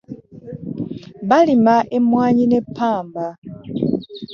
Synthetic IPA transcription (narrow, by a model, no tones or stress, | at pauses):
balimaʔemwaːɲinepʰaːmba